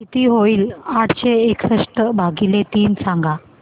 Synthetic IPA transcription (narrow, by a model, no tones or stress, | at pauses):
kit̪iɦoiːlaʈt͡ɕeeksəʂʈəbʱaɡilet̪iːnsãŋɡa